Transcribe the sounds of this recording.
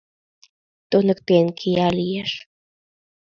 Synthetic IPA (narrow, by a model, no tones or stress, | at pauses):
t̪unə̆kpenkʰijalijeʃ